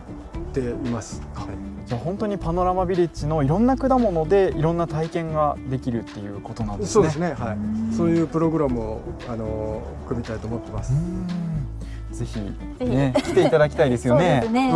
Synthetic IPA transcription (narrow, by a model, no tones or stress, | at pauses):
t̪e̞imasɨ̥d͡ʑaːhõ̞nt̪oɲ̟ipano̞ɾamabʲiɾʲit͡ɕino̞iɾõ̞nːakɯ̟d̪amo̞no̞d̪e̞iɾõ̞nːat̪aikẽ̞ŋɡad̪e̞kʲiɾɯ̟t̪ːe̞jɯ̟̰ːko̞t̪onãnsoːd̪esɨne̞haiso̞ːjɯ̟ːpɯ̟ɾo̞ɡɯ̟ɾamɯ̟oano̞ | ɯ̥kɯ̟mʲit̪ait̪oːmot̪ːemasɨ̥ | ze̞çḭ | ekʲi̥t̪e̞it̪ad̪akʲi̥t̪aid̪e̞sɨjo̞ne